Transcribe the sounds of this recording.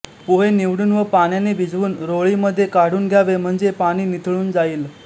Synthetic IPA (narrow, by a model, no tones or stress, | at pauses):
poɦeniʋɽuːnʋəpaɳ̃janebʱid͡zʋuːnɾoɭiməd̪ʱːjekaɽ̤uːnɡʱjaʋem̤əɳd͡zepaɽ̃iːnit̪ʰɭuːnd͡zaiːl